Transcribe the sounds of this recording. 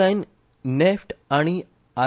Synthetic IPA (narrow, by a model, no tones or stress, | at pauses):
ajn | nefʈaɽ̃i | a